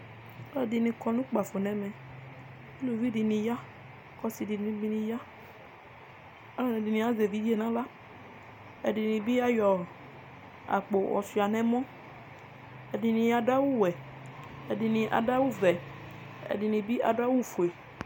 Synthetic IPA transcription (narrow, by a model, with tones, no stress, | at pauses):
ɔ˦˨di˨nĩ˨kɔ˨nũ˦k͡pa˨fo˨nɛ̃˨mɛ̃˨ | e˦lo˨vi˦di˨nĩ˨ja˦ | kɔ˦si˨di˨ĩ˦bi˦nĩ˨ja˦ | a˦lo˦nɛ̃˨di˨nĩ˨a˦ze˨vi˦vi˦e˦˨nã˦la˦ | ɛ˨di˨nĩ˨bi˦a˦jɔ˨ | a̰˨k͡po˨wɔ̰˨si˨a˨nɛ̃˦mɔ̃˦ | ɛ˨di˨nĩ˨ja˨da˦wu˦wɛ˨ | ɛ˨di˨nĩ˨ʔa̰˨da˦wu˦vɛ˨ | ɛ̰˨di˨nĩ˨bi˦ʔa˨da˦wu˦˨fo˨e˨